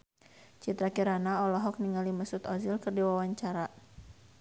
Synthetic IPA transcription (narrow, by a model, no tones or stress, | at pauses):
t͡ʃit̪ɾakiɾanaɔlɔɦɔk̚niŋaliməsut̪ɔzilkɨrdiwawaɲt͡ʃaɾa